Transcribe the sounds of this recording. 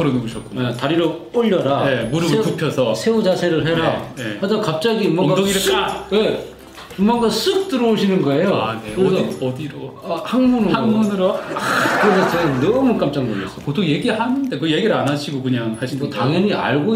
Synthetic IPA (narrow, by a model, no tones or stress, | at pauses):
ɯɾonɯbuɕʰʌt̚k͈uetaɾiɾooʎːʌɾaemuɾɯeupʰjʌsʰʌsʰe̞ud͡ʑasʰe̞ɾɯɭɦeɾaehad͡ʑikap̚t͡ɕ͈aɡiɯmʌɡadoŋiɾek͈awe | ɯmmʌŋɡasʰuk̚t͈ɯɾʌoɕʰinɯnɡʌe̞joaneɯdʌdiɾoahaŋmunɯɾaŋmunɯɾokɯɾedet͡ɕeɡanʌmuk͈amt͡ɕ͈aŋboʌs͈ʰʌkot̪ʰoŋje̞ɡihanɯndekɯje̞ɡiɾɯɭanaɕʰiɡokɯɲaŋhaɭɕʰiotaŋjʌɲia̰ɭɡo